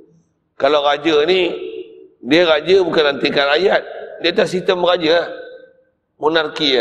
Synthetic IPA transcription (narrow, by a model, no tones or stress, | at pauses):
kalaɣad͡ʒəni | diaɾad͡ʒəbukanlant̪ikanajat̪̚diat̪as̬ist̪əmɣad͡ʒə | monarkia